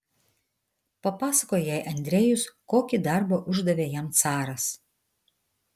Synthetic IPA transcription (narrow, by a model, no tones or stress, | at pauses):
pɐpɑːsɐkoːjjɛˑɪʔɐnʲd̪ʲɾʲeːjʊskoːkʲid̪ɐɾbɐʔʊʒd̪ɐʋʲeːjɛmt̪sɑːɾɐs